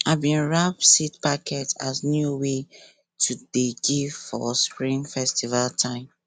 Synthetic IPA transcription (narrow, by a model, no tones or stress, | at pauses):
aɪbĩnɹap̚sitpakʰɛtaznjuwe | tʰuded͡ʒifɔ̰spɹĩnfɛstivaltʰãɪ̃m